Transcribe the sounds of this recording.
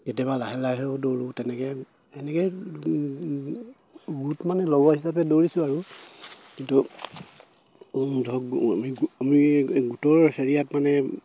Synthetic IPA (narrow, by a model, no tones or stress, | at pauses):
ketabalaɦɛlaɦɛodoɹũtɛnɛkɛ | ɛnɛkɛ | ɡutmanɛlɔbahisap̬ɛdoɹisʊ̃aɹu | kintu | dʱɔkmiɡamiɡutɔɹseɹijatmanɛ